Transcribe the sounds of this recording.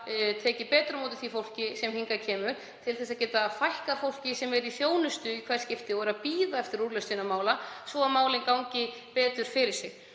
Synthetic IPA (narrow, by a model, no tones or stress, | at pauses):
t̪ʰɛːcɪpɛːt̪ɾʏmoːt̪ɪθifowl̥cɪsɛmhiŋkacʰɛːmʏɾ | t̪ʰɪlθɛs̬aðcɛːt̪afajhkḁfowl̥cɪsɛmɛɾiθjoːwnʏst̪ʏikʰv̥ɛɾ̥scɪft̪ɪɔɛɾapiːðaɛft̪ɪɾuɾlɛst̪inamaːwlasvɔamaːwlɪnkawɲcɪpɛːt̪ʏɾ̥fɪɾɪ̥sɪɣ